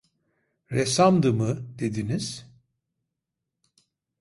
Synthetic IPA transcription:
ɾesamd̪ɯmɯd̪̥ed̪iniz̥

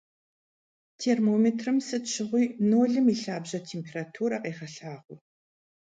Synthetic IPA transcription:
tʰeːrmoːmetʰrɨmsɨtɕʰɪʁʷiːnoːɮɨmiːɬaːbʑɐtʰeːmpʰeːraːtʰuːɾɐqeːχɐɬaːʁʷʊ

